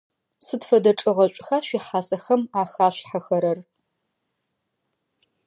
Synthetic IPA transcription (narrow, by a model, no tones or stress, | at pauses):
sɨdfɐdɐʈ͡ʂʼɨʁɐɕʷʼxaːɕʷiːħaːsɐxɐmaːxaːɕħaxɐɾɐr